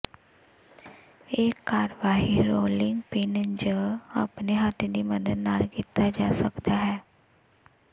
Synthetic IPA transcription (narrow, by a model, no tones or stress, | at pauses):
eːkːaːɾʋaːɦiːɾoːlɪŋɡpɪnd͡ʒəa̰ːpneɦat̪ʰːẽːd̪iːməd̪əd̪naːlkit̪aːd͡ʒaːsəkd̪aːɦɛː